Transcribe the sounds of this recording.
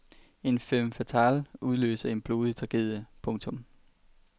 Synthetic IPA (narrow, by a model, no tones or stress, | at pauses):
e̝nfemfæt͡sʰæluðˠlø̰ːsɐe̝nb̥lo̝ːðˠət͡sʰɑ̈ɡ̥eðˠəpʰɔ̽ŋt͡sʰɔ̽m